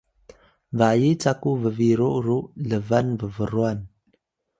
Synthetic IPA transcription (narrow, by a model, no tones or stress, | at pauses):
vajit͡sakuvəviɾuʔɾuləvanvəvəɾuan